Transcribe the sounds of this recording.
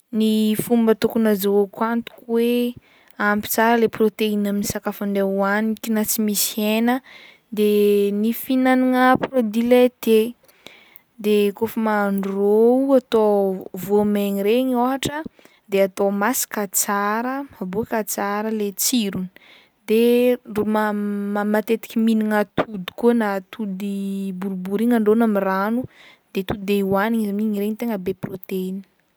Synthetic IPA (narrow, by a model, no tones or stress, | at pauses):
nifumbət̪ukunazaakwant̪u̥kwe | ampi̥t͡saɾəleprot̪einaminisakafaɳɖ͡ʐeuanikʲinat͡simisienə | d̪enifinaniŋəprod̪ilet̪e | d̪ekofəmaɳrouat̪ovomeŋiɾeɲoɦaʈ͡ʂə | d̪eat̪omasi̥kat͡saɾəmabuakat͡saɾəlet͡siɾuni̥ | d̪eɖ͡ʐumamat̪et̪i̥kʲiminiŋat̪ʰud̪i̥kuənat̪ʰud̪ibuɾubuɾiŋaɳɖ͡ʐonamiranu | d̪̥et̪ud̪id̪euaniɲizamiŋiɾeŋit̪eŋəbeprot̪eini̥